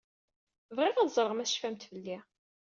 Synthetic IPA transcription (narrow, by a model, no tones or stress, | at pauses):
vʁɪʁæðzˤɾˤəʁmæsʃfæmt̪vəlːi